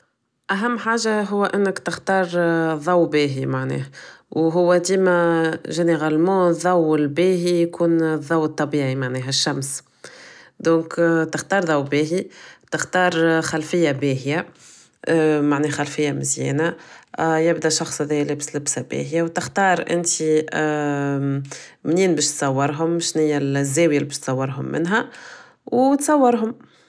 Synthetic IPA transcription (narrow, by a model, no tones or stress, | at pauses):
ʔæɦæmːħaːʒaɦʊwːæʔɪnːəkt̪ɪxt̪ɑːɾˤðˤɑwbiːɦimaʕnɛ̰ːhwɦʊwːæd̪iːmæʒɪneɣalmɑ̃ːðˤɑwːɪlbiːɦijkuːnðˤːɑwːt̪ˤːɑbiːʕimaʕnɛːɦæʃːæms | d̪õːkt̪ɪxt̪ɑːɾˤðˤɑwbiːɦit̪ɪxt̪ɑːɾˤxalfɪjːabeːɦja | maʕnɛːhxalfɪjːamɪzjḭːna | jɪbd̪æʃɑxsˤhæðɛjlæbslɪbsabḛːɦjawt̪ɪxt̪ɑːɾˤʔɪ̰nt̪i | mniːnbɛːʃt̪sˤɑwːɑɾˤɦʊmʃnɪjːalzːæːwjælibɪːʃt̪sˤɑwːɑɾɦʊmːɪ̰nɦæ | wt̪sˤɑwːɑɾɦʊm